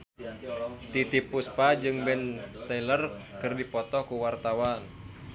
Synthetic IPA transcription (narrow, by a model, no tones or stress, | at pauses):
t̪it̪ipuspad͡ʒɨŋbɛnst̪ailərkɨrdipɔt̪ɔkuwart̪awan